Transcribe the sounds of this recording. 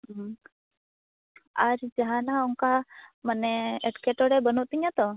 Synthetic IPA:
aɾd͡ʒaɦanaɔŋkamanɛɛʈkɛʈɔɽɛbənuʔt̪iɲat̪ɔ

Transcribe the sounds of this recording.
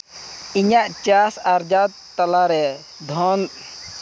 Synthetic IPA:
iɲaʔt͡ʃasaɾd͡ʒad̪̚ | t̪alaɾɛ | d̪ʱɔn

